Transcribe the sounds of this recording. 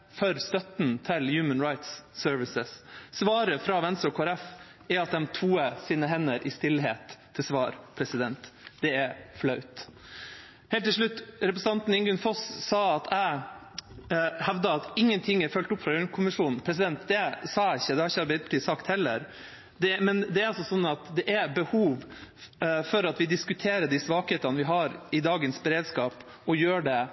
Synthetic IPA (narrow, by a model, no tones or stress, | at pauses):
fɔɾst̪œt̪n̩t̪ʰɪljʉːmənɾaɪt̪sːøɾʋɪsəssʋɑːɾəfɾɑʋɛnst̪ɾɔkʰoːɛɾɛf | ɛɾɑt̪̚d̪ɛmt̪ʰuːəsiːnəɦɛnːəɾʔɪst̪ɪlɦeːt̪ʰːɪlsʋɑːɾpʰɾɛsɪd̪ɛnt̪d̪̥ɛæflɑʉt̪ | heːlt̪ʰːɪlʂɭʉt̪ːɾɛpɾəsn̩ɑnt̪n̩ɪŋɡʉnfɔsːɑːɑt̪ʰæɪ | hɛʋd̪əɑt̪ɪŋːənt̪ʰɪŋːæɾfœlt̪ʊpːfɾɑʉnkʰʊmɪʂuːnn̩pʰɾɛs̬ɪd̪ɛnt̪d̪ɛsɑːæɪçːəd̪ɛhɑɾɪçːəɑɾbæɪd̪pʰt̪iːsɑkt̪hɛlːə̰ɾ | d̪ɛmɛnd̪ɛæɾɑls̬ɔsɔnːɑt̪d̪ɛʔæbəhuːʋ | fɔɾɑt̪ʋɪd̪ɪskʉt̪ʰeːɾəɖisʋɑːkheːt̪ɑnʋɪɦɑɾɪd̪ɑːɡənsbəɾeːd̪skɑːp | ɔjøːɖɛ